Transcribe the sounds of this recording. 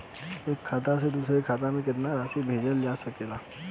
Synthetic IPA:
eːkʰːaːt̪ased̪uːsɾekʰaːt̪̬amẽk̬ɪt̪naɾaːsibʱeːd͡ʒəld͡ʒaːsɐkeːlaː

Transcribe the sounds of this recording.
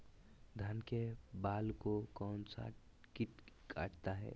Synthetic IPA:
d̪ʱaːnkebaːlkokɔːnsa̰ʈ | kiʈkʰa̰ːʈt̪aɦɛ̰ː

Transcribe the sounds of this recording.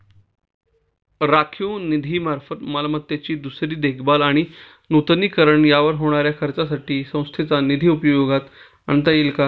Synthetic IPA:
ɾakʰjũnid̪ʱiːmaɾfət̪məlamət̪jat͡ɕiːd̪usɾiːd̪ekʰbalaɽ̃i | nut̪niːkəɾəɳjaʋəɾɦoɽ̃aɾjakʰəɾt͡sasaʈʰiːsə̃w̃st̪ʰet͡sanid̪ʱiːupjoɡat̪ | ə̰ɳt̪ailka

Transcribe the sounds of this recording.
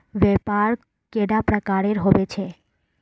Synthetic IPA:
ʋɛpaɾ | keɽapɾəkaɾeɾɦobet͡ʃʰe

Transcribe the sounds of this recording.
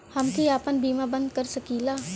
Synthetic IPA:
hɐmkʰiaːpənbiːmabə̃nd̪̚kɐɾsəkiːlaː

